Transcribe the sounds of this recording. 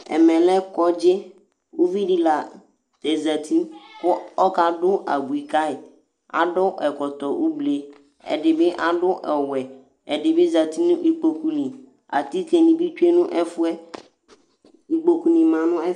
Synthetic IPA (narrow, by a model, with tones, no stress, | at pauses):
ɛ̰˨mɛ̃˨lɛ˦kɔ˦d͡ʒɪ˦ | u˦vi˦di˦la˨ | ɛ˨za˨t̪ʰi˦kʊ˦ɔ˦ka˦dʊ˦a̰˨bi˨ka˦ɪ˨ | a̰˨dʊ˦ʔɛ˨kɔ˨t̪ɔ˨ʔu˦ble˨ | ɛ̰˨dɪ˨bɪ˦ʔa˦dʊ˦ʔɛ˨wɛ˨ | ɛ˨dɪ˨bɪ˦za˨t̪i˦nʊ̃˦ʔi˦k͡po˨ku˦nĩ˨ | a̰˨t̪i˦ke˨nĩ˨bi˦te˦nʊ̃˦ʔɛ˦fʊ˦ɛ˦ | i˨k͡po˨ku˨nĩ˨mã˨nʊ̃˦ɛ˦